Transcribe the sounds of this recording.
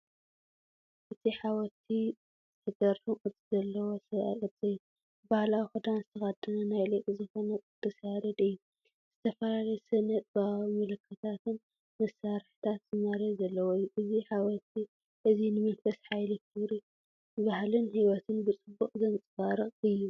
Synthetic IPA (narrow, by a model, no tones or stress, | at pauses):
ʔɨt̪ʰiħawɔt̪ʰi | zɨt̪ʰɐɡɐɾːuʔʼɨt̪ʰizɐlːɐwosɐ̰ʔʼɐd̪t͡sʼejːu | bahlawixɨd̪anzɨt̪ʰɐxɐd̪ɐnɐnajlɐkʼizɨxo̞nɐkʼɨt̪ʰːɐsjaɾɐd̪ʼɨjːu | z̥ɨt̪ʰɐfɐlalɐjsɐnɐt̪̚ʼbamɐlɨkʰːɐt̪ʰat̪ɨn | mɐsaɾħi̥t̪ʰat̪zɨmɐɾɐzɐlːɐwojːuʔɨziħawɐt̪ʰi | ʔɨzinɨmɨlfɐsħajlɨk̪ʰɨβɾi | ɨβahlɨnhiwɔt̪ʰɨnbɨt͡sʼɨbːuχʼzɐnt͡sʼɨfaɾɨχʼɨjːu